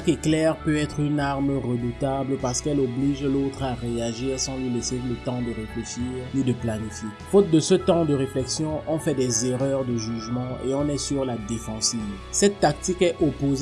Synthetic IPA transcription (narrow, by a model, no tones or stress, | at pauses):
akɛklɛʁpøɛt̪χynaʁmʁəd̪ut̪abləpaʁsə̥kɛlobliʒlot̪χaʁeaʒiːʁsɑ̃lɥileselət̪ɑ̃d̪əʁefleʃiːʁnid̪əplanifje | fot̪̚d̪əsət̪ɑ̃d̪əʁeflɛksjɔ̃ʔɔ̃fɛd̪ɛzeʁœʁd̪əʒyʒmɑ̃ḛɔ̃nɛsyʁlad̪efɑ̃siv | sɛt̪ːak̚t̪ikɛʔopoz